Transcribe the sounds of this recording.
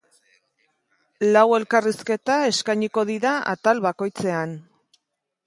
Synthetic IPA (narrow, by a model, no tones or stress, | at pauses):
lawe̞lkariske̞t̪ae̞skajɲiko̞ðiɾaa̰t̪alβako̞jt͡se̞an